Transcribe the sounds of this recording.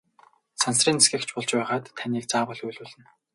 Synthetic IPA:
sansriːnsɡʲɘ̆kt͡ɕʰpʊɮt͡ɕpæːʁaːt̪ʰːaniːk̚t͡saːpɔɮujɮuːɮɘ̆n

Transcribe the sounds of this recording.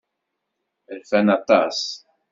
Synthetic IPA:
ɪlfɛnɐt̪ːɐs

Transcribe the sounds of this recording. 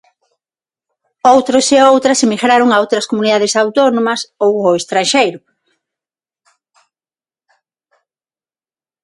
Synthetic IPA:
owt̪ɾoseowt̪ɾɐsemiɣɾaɾʊŋaɐowt̪ɾɐskomuniðaðɪsawt̪onõmɐsowoest̪ɾanʃejɾʊ

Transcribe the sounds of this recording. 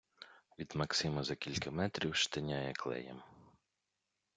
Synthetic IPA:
ʋʲid̪mɐksɪmɐzɐkʲilʲkɐmɛt̪ɾʲiwʃt̪ɐnʲajɛklˠɛ̰jɛ̰m

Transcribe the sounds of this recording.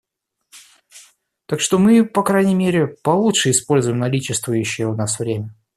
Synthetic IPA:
t̪akʂt̪o̞mɨpɐkɾajnʲɪmʲeɾʲɪpɐlˠutʂɨɪspo̞lʲzʊjɪmnɐlʲit͡ɕɪst̪vʊjʉɕːɪjəʊnasvɾʲemʲə

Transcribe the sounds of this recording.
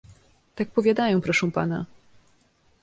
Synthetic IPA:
t̪ak̚pɔvʲjad̪ajɔ̃w̃pɾɔʂɛ̃w̃pa̰na

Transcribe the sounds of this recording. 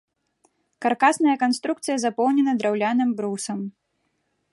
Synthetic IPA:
karkasnɐjɐkanst̪ɾukt̪sɨjɐzapɔwnʲɛnɐd̪ɾawlʲanɨmbɾusɐm

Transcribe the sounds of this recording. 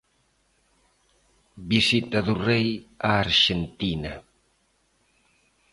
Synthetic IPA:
bisit̪aðurejaːɾʃent̪ina

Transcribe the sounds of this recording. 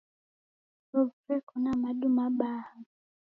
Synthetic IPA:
ɾuɾɛkɔnamaɗumaɓaha

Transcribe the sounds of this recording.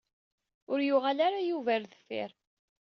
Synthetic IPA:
ʊɾjʊʁalaɾajuvæɾðəfɪ̰ɾ

